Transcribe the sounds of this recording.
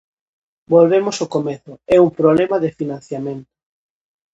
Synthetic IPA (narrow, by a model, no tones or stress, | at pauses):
bolβemosokomeθʊɛuŋpɾoβlɛmaðɪfinãn̟θjamẽnt̪ʊ̥